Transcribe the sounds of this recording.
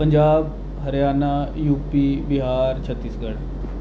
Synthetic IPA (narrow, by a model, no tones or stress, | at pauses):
pəɲd͡ʑaːb | ɦəɾjanːajuːpibiɦaɾt͡ɕʰət̪ːiːsɡəɽ